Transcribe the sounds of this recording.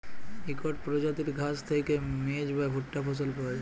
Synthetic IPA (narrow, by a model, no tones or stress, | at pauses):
ikɔʈ̚pɾod͡ʑat̪iɾɡʱast̪ʰejkemed͡ʑbabʱuʈːaposolpɔe